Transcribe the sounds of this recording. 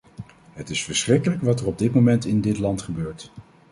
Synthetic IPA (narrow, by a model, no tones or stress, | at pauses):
ɦətɪsfəɹsχrɪkələkʋɑtərɔb̚dɪt̚momɛntɪndɪtlɑntχəbøːɹt